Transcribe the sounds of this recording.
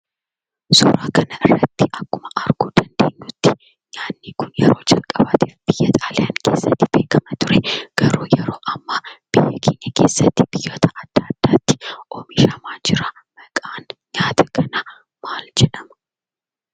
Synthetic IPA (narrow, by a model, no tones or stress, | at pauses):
sɔ̰ɾaːkɐnɐɪrːɐt̪ːɪʔɐkːʊmɐʔɐɾɡ̥uːd̪̥ɐnd̪eːnːuːt̪ːɪ | ɲaːnːikʊnjɛ̰ɾo̞ːd͡ʒɐlkʼɐbaːt̪iːfb̥ɪjːɐt̪ʼaːlaːŋkʰḛːsːɐt̪ːɪb̥e̞ːkɐmɐt̪ʊɾɛɡ̥ɐɾuːjɛɾoːʔɐmːaːb̥ɪjːɐkʰeːɲːɐke̞̰ːsːɐt̪ːɪb̥ɪjːo̞ːt̪ʰɐʔɐd̪̥ːaːd̪̥ːaːt̪ːɪ̥ʔɔmiʃɐmaːd͡ʒɪɾɐ | mɐkʼaːnɲaːt̪ʰɐkʰɐnɐ | maːld͡ʒɛᶑɐmɐ